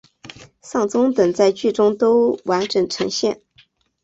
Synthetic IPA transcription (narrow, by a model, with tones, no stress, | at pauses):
sɑ˥˩ŋt͡sʊ˥ŋt̪ə˨˩ŋt͡sa˥˧ɪt͡ɕy˥˩ʈ͡ʂʊ˥ŋt̪o˥ʊwa˧˥nʈ͡ʂɤ˨˩ŋʈ͡ʂʰɤ˧˥ŋɕjɛ˥˩n